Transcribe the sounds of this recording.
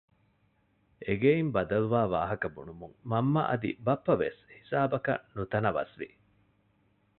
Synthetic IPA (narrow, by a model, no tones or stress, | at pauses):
eɡeimbɐd̪ɐluʋaːʋa̰ːɦɐkɐbṵnumuŋmɐmːɐ̰ʔɐ̰d̪ḭbɐpːɐʋḛshi̥saːbɐkɐ̰nut̪ɐnɐʋɐ̰sʋḭ